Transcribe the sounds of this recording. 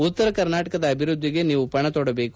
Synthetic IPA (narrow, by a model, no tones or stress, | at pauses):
ut̪ːɐɾɐkɐɾnaːʈɐkɐd̪ɐːbʱiɾud̪ʱːiɡe̞niːʋupɐɳɐt̪oːɽɐbe̞ːku